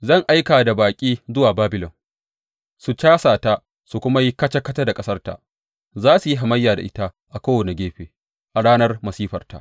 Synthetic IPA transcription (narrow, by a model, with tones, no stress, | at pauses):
zɐ˦˨ŋʔa˦jkaː˨da˨baː˨kʲʼiː˦zʊ˦waː˨baː˦bɪ˨lɔ˨n | su˨t͡ʃaː˦saː˨ta˦ | su˨kʷʊ˦ma˦ji˦kɐ˦t͡ʃɐ˦kɐ˦ta˦da˨kʼɐ˦sɐ˦rta̰˨ʔ | zaː˦su˨ji˦ɦa˨mɐ˦jːaː˨da̰˨ʔɪ˦ta˦ | ʔa˨kʷoː˦wɐ˨ne˨ɡʲeː˦ɸeː˨ | ʔa˨ɽaː˦nɐ˦rmɐ˨siː˦ɸɐ˨rta̰˨ʔ